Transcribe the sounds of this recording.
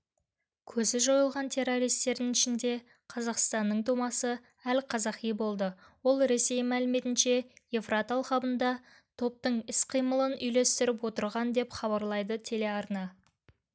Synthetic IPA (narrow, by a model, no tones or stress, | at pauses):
kʲʰɵzɪʒo̞jəlˠʁɑnt̪ʰe̞ɾːo̞ɾijst̪e̞ɾd̪ɪŋɪʃɪnd̪e̞ | qʰɑzɑqst̪ɑnːəɴt̪ʰumɑsə | ælqʰɑzɑqijbo̞lˠd̪ə | wo̞lˠɾe̞se̞jmælɪme̞t̪ɪnʃe̞jefrat̪ɑlˠχɑbənd̪ɑ | t̪ʰo̞p̚t̪əɴɪsqʰijməlˠənʏjle̞st̪ɪɾɪpwo̞t̪əɾʁɑnd̪e̞pχɑβɑɾlˠɑjd̪ət̪ʰele̞ɑɾnɑ